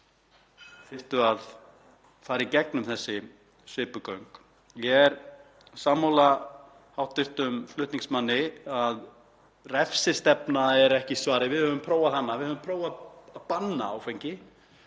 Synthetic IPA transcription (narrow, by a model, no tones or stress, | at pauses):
fɪr̥t̪ʏað | faːɾicɛknʏmθɛsːɪ | svɪːpʏkœɥŋk | jɛɛɾ̥ | saːmowla | hawht̪ɪr̥t̪ʏmflʏht̪niŋsmanːɪað | rɛfsɪst̪ɛpnaɛɾɛhcɪsvaːɾɪvɪðhœːvʏmpʰɾoːwvaðhanːavɪðhœvʏmpʰɾoːwvaaðpanːaːwfejɲcɪ